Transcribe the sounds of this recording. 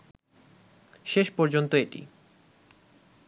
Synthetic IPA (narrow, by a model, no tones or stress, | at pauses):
ʃeʃpɔɾd͡ʑont̪oeʈḭ